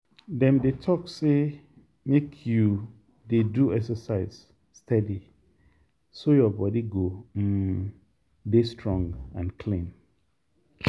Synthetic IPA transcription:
dɛ̃mdetʰɔkse | mekʰju | deduɛksəsaɪz̥ | stʰɛdi | sojɔbɔdiɡom̩ | destʰɹɔ̃ŋɡãnkʰlĩn

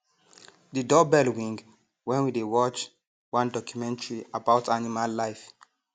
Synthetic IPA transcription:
didɔbɛlwĩŋɡ | wɛ̃nwidewɔt͡ʃ | wãndɔkjumɛ̃ntʰəɹiabaʊtʰanimalːaɪf

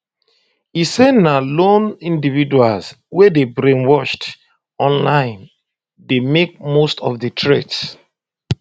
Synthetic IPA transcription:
isenalonĩndividuals | wɛdebɹẽnwɔʃt | ɔ̃nlãɪ̃n | demek̚mostɔfdətʰɹets

